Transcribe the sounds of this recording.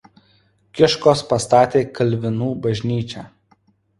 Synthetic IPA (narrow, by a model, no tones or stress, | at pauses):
kʲɪʃkoːspɐst̪ɑːt̪ʲeːkɐlʲʋʲɪnuːbɐʒʲnʲiːt͡ʃʲæː